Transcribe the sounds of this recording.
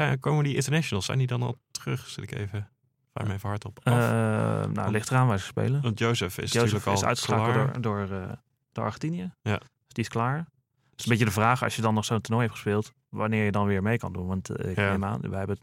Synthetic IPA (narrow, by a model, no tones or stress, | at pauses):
kowmədiɪ̃ntəɹnɛʃonəl̩ˠsɛ̰jndidɑnɑ̰lˠtərəχsɪlɪkḛjvə | fa̰jmevəɦɑɹtɔp | na̰lɪχtəraːnʋɛjzəspḛjlənɑntjowsəfɪ̰sjoyːsɹləfɪlˠœ̰ɥtχəsɔkə̰ɹdʊːɹə | d̥əɑ̰ɹχɛntinijəj̥ | sdiɪsklaːɹ | ɪsəmbɪcədəvraːχɑ̰sjədɑnːɔχsowntənɔjɦɛp̚tχə̥speːlˠt | ʋanɪːɹjədɑnʋɪːɹmejkɑ̰ndunʋɑntɪkema̰ːnʋəjɦɛbə